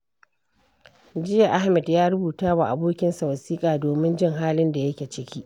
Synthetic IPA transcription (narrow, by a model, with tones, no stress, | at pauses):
d͡ʒɪ˦ja˨ʔa˦hmɛ˨djaː˦ɽʊ˦buː˨taː˦wa˨ʔa˨boː˦kʲɪ˦nsa˨wɐ˨siː˦kʼaː˨doː˨mɪ˦nd͡ʒɪ˦ŋɦaː˦lɪ˦nda˨jɐ˦kʲeː˨t͡ʃɪ˦kʲʰiː˦ʔ